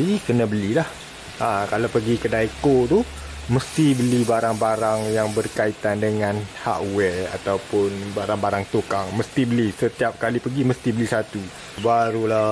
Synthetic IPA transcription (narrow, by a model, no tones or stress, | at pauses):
ikənə̃bəlilah | akalawpəɡikədaikot̪u | məst̪ibəlibaɾaŋbaɾaŋjaŋbərkait̪andəŋãnha̰ʔwɛra̰t̪awpʊnbaɾaŋbaɾaŋt̪ukaŋməst̪ibəlisət̪iap̚kalipəɡiməst̪ibəlisat̪u | baɾula